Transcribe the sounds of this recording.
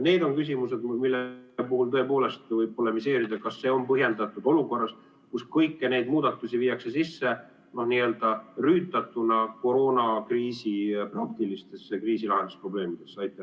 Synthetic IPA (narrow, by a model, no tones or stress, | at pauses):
ne̞ːd̪o̞nkys̬ʲimuse̞d̪milːepuhult̪ɤ̞e̞po̞ːlest̪vɤjb̚polːemise̞ːɾid̪ɑkɑsːe̞o̞mpɤɦjend̪ɑt̪ːˑud̪̥o̞luko̞rːɑs | kuskɤjkːene̞jd̪muːd̪̥ɑt̪ːˑusiviːɑkse̞sisːe̞ | no̞hniːe̞ld̪̥ɑryːt̪ːˑɑt̪ːˑunɑko̞ɾo̞ːnɑkriːsiprɑk̚t̪ilist̪e̞sːekriːsilɑɦend̪̥uspro̞ble̞ːmid̪̥e̞sːɑjt̪ːˑe